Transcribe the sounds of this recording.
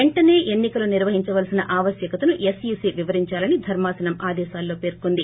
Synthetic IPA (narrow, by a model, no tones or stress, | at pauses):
eɳʈɐne̞ːʔenːikɐluniɾʋɐɦiɲt͡ʃɐʋɐlsinɐʔaːʋɐsjɐkɐt̪ɐnuʔesjuːsiʋiʋɐɾiɲt͡ʃaːlɐnid̪ʱɐɾmaːsɐnɐmaːd̪ɛːʃaːlːo̞ːpe̞ːɾkond̪i